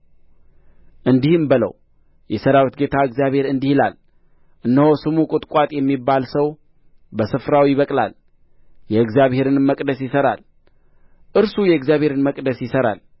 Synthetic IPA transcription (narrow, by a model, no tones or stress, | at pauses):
ʔɨnd̪ihɨmbɨlə̰w | jɛsəɾawət̪̚ɡe̞t̪ʰaɨɡzjaβhe̞ɾɨnd̪ihila̰l | ʔɨnːəhosɨmukʼʊt̪ʼkʼwat̪ʼjɛmːibːalsəw | bəsɨfɾawijɪβəkʼla̰l | jɛɨɡzjaβhe̞ɾɨnmːəkʼd̪əsjɪsəɾa̰l | ʔɨɾsujɛɨɡzjaβheɾɨnməkʼd̪əsjɪsəɾa̰l